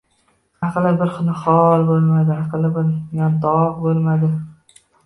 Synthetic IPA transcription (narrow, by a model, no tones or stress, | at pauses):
ɑqlɪbɪɾχʊnɪχɒlˠbolmad̪ɪɑqlˠɪbɪɾjɒnd̪ɒʁbolmad̪ɪ